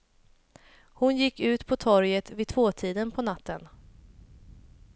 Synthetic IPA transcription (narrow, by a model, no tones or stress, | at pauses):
hʊnjɪkːʉ̟ːt̪pʰɔt̪ʰɔɾjət̪vɪt̪ʰvoːt̪ʰiːd̪ənpʰɔnat̪ʰːən